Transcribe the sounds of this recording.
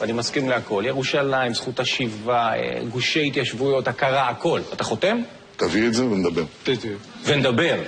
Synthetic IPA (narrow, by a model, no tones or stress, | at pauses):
animaskimleako̞ljeʁuʃalaimsχut̪aʃivaḛɡuʃeit̪jaʃvujo̞t̪akaʁaːko̞lat̪aχo̞t̪e̞m | t̪avietzevened̪abeʁt̪it̪ivened̪abe̞ʁ